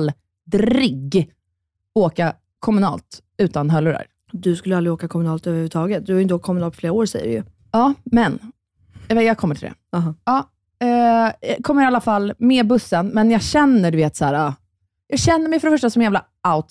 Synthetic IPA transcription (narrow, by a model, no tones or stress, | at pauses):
l | d̪ɾɪɡ | oːka | kʰɔmɵnɑ̰ːlt̪ | ʉ̟ːt̪anɦœlːɵɾa̰ɾ | d̪ɵskɵlːəalɾɪoːkakʰɔmɵnɑːlt̪øːvəɾhʉvət̪ʰɑːɡət̪̚d̪ɵhaɾjʏnt̪əoːk̚ʰɔmɵnɑːlpʰɔfleːɾaoːɾsɛ̰jə̰ɖ̰jɵ̰ | ɑːmɛn | vɛjɑːɡkʰɔmːəʈʰɪld̪ɛ̰ɦɑɑː | ɛkʰɔmːəɾalːafalːmeːbɵsːənmɛnjɑːɡɕɛnːəɖɵveːt̪sæːɾa | jɑːɡɕɛnːəɾmɛjfœɾɖɛfœʂʈasɔmɛjæːvla | aʊt̪